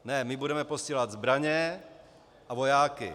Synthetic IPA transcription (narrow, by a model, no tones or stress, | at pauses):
nɛmɪbudɛmɛposciːlad̪zbɾaɲɛ | ʔavojaːkɪ̰